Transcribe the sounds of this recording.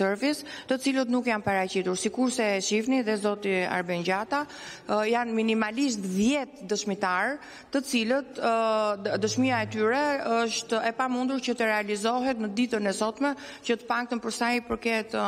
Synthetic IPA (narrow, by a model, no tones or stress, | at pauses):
ɛɾvist̪ət͡silət̪nukjanpaɾacit̪uɾsikuɾsɛʃifniðɛzɔt̪ia̰ɾbɛɲɟat̪a | janminimalis̬t̪ðjɛt̪d̪əʃmit̪aɾ | t̪ət͡silət̪ | d̪əʃmiaɛt̪yɾɛəʃt̪ɛpamund̪uɾcət̪əɾɛalizɔɦɛt̪nəd̪it̪ənɛsɔt̪mɛ | cət̪ə̥pak̚t̪ənpəɾsajpəɾkɛt̪